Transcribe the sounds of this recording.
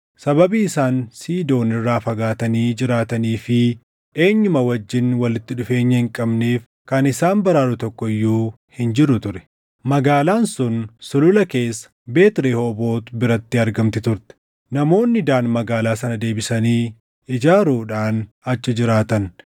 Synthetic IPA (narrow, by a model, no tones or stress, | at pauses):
sɐbɐbiːɪsaːnsiːd̪o̞ːnɪrːaːfɐɡaːt̪ɐniːd͡ʒɪɾaːt̪ɐniːfɪ | ʔe̞ːɲːʊmɐwɐd͡ʒːɪnwɐlɪt̪ːɪᶑʊfe̞ːɲːɐhɪŋkʼɐbneːf | kɐnɪsaːnbɐɾaːɾʊt̪ɔkːɔɪjːuː | hɪnd͡ʒɪɾʊt̪ʊɾɛ̥ | mɐɡaːlaːnsʊnsʊlʊlɐke̞ːsːɐ̥be̞ːt̪ɪɾeːhoːbo̞ːt̪bɪɾɐt̪ːɪɐɾɡɐmt̪ɪt̪ʊɾt̪ɛ̥ | nɐmo̞ːnːɪd̪aːnmɐɡaːlaːsɐnɐd̪e̞ːbɪsɐniː | ɪd͡ʒaːɾuːᶑaːn | ɐt͡ʃːɪd͡ʒɪɾaːt̪ɐn